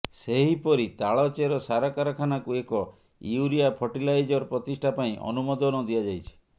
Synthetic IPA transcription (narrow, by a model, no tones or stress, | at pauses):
seɦipɔɾit̪aɭɔt͡ʃeɾɔsaɾakaɾakʰanakuekɔ | ḭuɾiapʰɔʈilajd͡ʒɔɾpɾɔt̪isʈʰapaĩʔɔ̰numɔd̪ɔnɔd̪ijad͡ʒajt͡ʃʰi̥